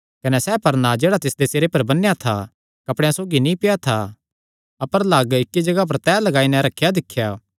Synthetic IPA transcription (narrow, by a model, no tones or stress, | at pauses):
kɐnɛsɛːpɐɾnad͡ʒeːɽat̪ɪsd̪eseːɾepɐɾbɐnːejat̪ʰa̰ | kɐpɽ̃jãsoːɡinĩpɪjat̪ʰa | ɐpəɾlaːɡɪkːid͡ʒɐɡap̬ɐɾt̪ɛːlɐɡaːinɛ̃ɾɐkʰːjad̪ɪkʰːjaː